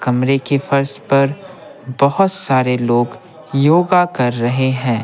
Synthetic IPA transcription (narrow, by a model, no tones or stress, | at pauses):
kɐmɾekefɐɾspɐɾ | bɐɦʊt̪saːɾeloːɡ | joːɡakɐɾːɐɦeɦɛ̃ː